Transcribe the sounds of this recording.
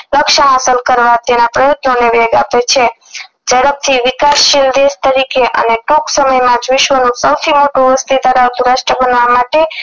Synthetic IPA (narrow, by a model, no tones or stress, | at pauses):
ləkʃəɦasəlkəɾʋat̪enapɾəjod̪noneʋɛɡapet͡ʃʰe | d͡ʒəɽəp̚t̪ʰiʋɪkasːild̪est̪əɾikeʔə̰neʈoksəməjmãd͡ʒʋɪʃʋənũsəwt̪ʰimoʈũʋəst̪id̪aɾaʋt̪uɾaʃʈɾəbənʋamaʈe